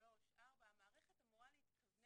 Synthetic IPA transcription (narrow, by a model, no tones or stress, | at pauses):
oʃabaamaːʁeχet̪amuʁaleit̪kavn